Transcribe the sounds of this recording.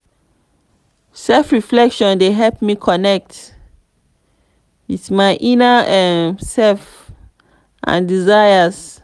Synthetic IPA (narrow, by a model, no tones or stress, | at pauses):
sɛlfɹiflɛkʃɔ̃ndeɦɛlpmikʰɔnɛk̚t | itsmaɪʔinaɛsɛlf | ʔã̰ndizajas